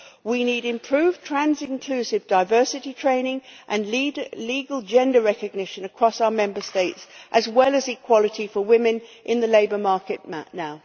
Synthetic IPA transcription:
winiɾɪ̃mpʰɹ̥ʉːv̥tʰɹ̥æ̃nzɪ̃nkʰl̥ʉsɪvdaɪvɜˑ˞sɪɾitʰɹ̥ẽɪ̃nɪ̃ŋʔə̃nliːɡəlˠd͡ʒɛ̃ndəɹɛkɨɡ̚nɪʃə̃nəkʰɹ̥ɒsaʊəmɛ̃mbəsteɪtsʔəzwɛlˠəzikʰw̥ɒlˠətifəwɪ̃mɨ̃nʔɪ̃nðəleɪbə˞mɑɹkɪʔma̰naʊ

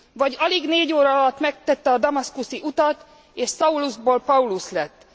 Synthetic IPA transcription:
vɒɟɒliɡneːɟoːɾɒɒlɒt̪mɛk̚t̪ɛt̪ːɛɒd̪ɒmɒskusiʔut̪ɒt̪ | eːʃsɒuluʒboːlpɒuluslɛt̪ː

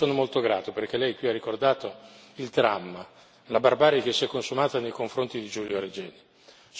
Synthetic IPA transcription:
oːnomolt̪oɡɾaːt̪operk̟elːɛjkwiarːikord̪aːt̪o | ild̪ɾamːa | labarbaːɾjak̟esːiɛkːonsumaːt̪anejkoɱfɾont̪id̪id͡ʒuljoaɾed͡ʒɛːni | s

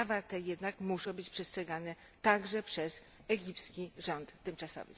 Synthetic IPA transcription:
avat̪ɛjɛd̪nakmuʂɔ̃w̃bɘt͡ɕpʂɛstʂɛɡanɛ | t̪aɡʐɛpʂɛz | ɛɡʲipskʲiʐɔnt̪ːɘmt͡ʂasɔ̰vɘ̰

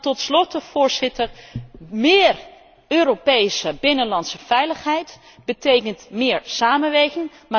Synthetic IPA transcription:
tɔtslɔtəv̥ʊːɹzɪtərmɪːr | øːɾopejsəbɪnənlɑntsəvɛjləχɦɛjt | b̥ətejkəntmɪːɹsaːmənʋejɣɪŋ | ma

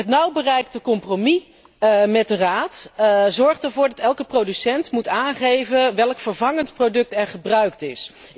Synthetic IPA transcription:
ətnʌwbərɛjk̚təkɔmpromi | mɛt̚dəraːtzɔɹχtəɹvʊːɹdɑtɛlˠkəprowdysɛntmutaːnχejvəʋɛlkfəɹvɑŋəntprowdɵk̚tɛɹχəbrœɥktɪs

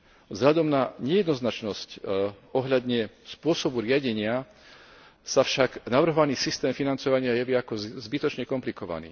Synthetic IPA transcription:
zɦlad̪ɔmnaɲɛjɛd̪nɔznat͡ʃnɔsc | ɔɦʎad̪ɲɛspʊɔsɔbuɾɪaɟɛɲɪa | safʃaɡnaʋr̩ɦɔʋaniːsist̪ɛːmfinant͡sɔʋaɲɪajɛʋiakɔzbit̪ɔt͡ʃɲɛkɔmplikɔʋa̰nḭː

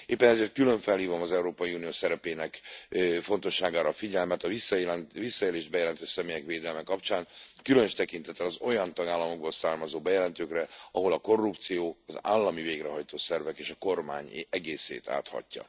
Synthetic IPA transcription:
eːpːɛnɛzeːrt̪̚kylø̞ɱfɛlhiːvo̞mɒzɛuɾoːpɒjiuːnijoːsɛɾɛpeːnɛkfo̞nt̪o̞ʃːaːɡaːɾɒfiɟɛlmɛt̪ɒisːlnvisːɒeːleːʒbɛjɛlɛnt̪øːʃsɛmeːjɛkʋeːd̪ɛlmɛkɒpt͡ʃaːnkylønøʃt̪ɛkint̪ɛt̪ːɛlɒzo̞jɒnt̪ɒɡaːlːɒmo̞ɡ̚bo̞lsaːrmɒzoːbɛjɛlɛnt̪øːkrɛɒɦo̞lɒko̞rːupt̪sijoːɒza̰ːlːɒmiveːɡrɛɦɒjt̪oːsɛrvɛkeːʃɒko̞rma̰ːɲɛɡeːsḛːt̪ʰa̰ːt̪hɒ̰cːɒ̰

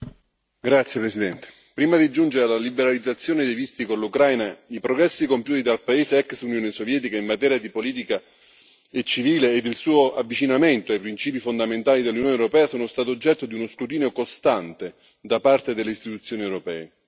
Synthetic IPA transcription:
ɡɾat̪sjepɾesid̪ɛnt̪e̥ | pɾiːmad̪id͡ʒund͡ʒeɾealalibeɾalid̪zːat̪sːjoːned̪ejvist̪ikonlukɾajnaipɾoɡɾɛsːikompjuːt̪id̪alpaeːzeɛksunjoːnesovjɛːt̪̬ikaimːat̪ɛːɾjad̪ipoliːt̪̬ika | et͡ʃːiviːleːd̪ilsuːoavːit͡ʃinament̪oajpɾint͡ʃiːpifond̪ament̪aːlid̪elːunjoːnewɾopɛːasoːnost̪aːt̪ood͡ʒːɛt̪ːod̪iunoskɾut̪̬iːneokost̪ant̪e | d̪apart̪ed̪elːeist̪it̪ut̪sːjoːniewɾopɛ̰ːe

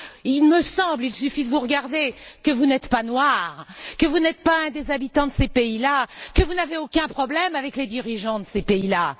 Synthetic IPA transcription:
ilməsɑ̃blilsyfid̪əvuʁəɡaʁd̪ekəvunɛt̪panwaʁkəvunɛt̪̚paɛ̃d̪ezabit̪ɑ̃d̪əsepeilakəvunaveokʲɛ̃pχɔblɛmavɛkled̪iʁiʒɑ̃d̪əsepeila

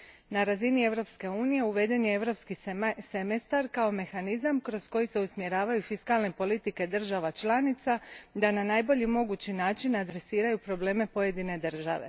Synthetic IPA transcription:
naɾazinie̞ʋɾo̞pske̞uːnije̞uʋe̞d̪e̞njeeʋɾo̞pskisemest̪aɾkao̞me̞xanizamkɾo̞sko̞jise̞usmje̞ɾaːʋajufiskalne̞po̞lit̪ike̞d̪r̩ʒaʋat͡ʃlˠanit̪sad̪ananaːjbo̞ʎimo̞ɡut͡ɕinaːt͡ʃinad̪ɾe̞siːɾajupɾo̞ble̞ːme̞po̞je̞d̪ine̞d̪ɨr̩ʒa̰ʋe̞̰

